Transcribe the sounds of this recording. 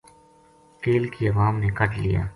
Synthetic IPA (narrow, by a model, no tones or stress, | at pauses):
keːlkiɐʋaːmnekɐʈlḭja̰ː